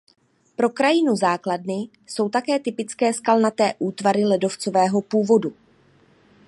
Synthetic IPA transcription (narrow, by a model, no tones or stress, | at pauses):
pɾo̞kɾajɪnuzaːkladnɪ | so̞wt̪akɛːt̪ɪpɪt͡skɛːskalnat̪ɛːʔuːt̪vaɾɪlɛdo̞ft͡so̞vɛːɦo̞puːvo̞du